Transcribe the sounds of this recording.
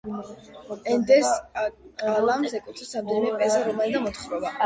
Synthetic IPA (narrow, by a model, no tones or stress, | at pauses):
ɛnd̪ɛskʼalamsɛkʼut̪ʰɛsamd̪ɛnimɛpʼɛzaɾɔmɛld̪amɔt̪χɾɔva